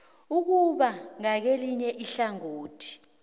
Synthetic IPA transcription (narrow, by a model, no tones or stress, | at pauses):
uk̬uɓaŋak̬eliɲɛʔiɬaŋoːtʰi̥